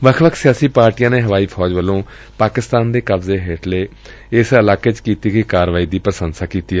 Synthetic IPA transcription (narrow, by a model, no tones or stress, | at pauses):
ʋəkʰʋəkʰsɪjaːsiːpaːɾʈijãːneːɦəʋaːiːpʰɔːd͡ʒʋəlːõː | paːkɪst̪aːnd̪eːkəbzeːɦeːʈʰleː | ɪsəlaːkeːt͡ʃkiːt̪iːkikaːɾʋaːiːd̪iːpɾəsənsaːkiːt̪iːɛ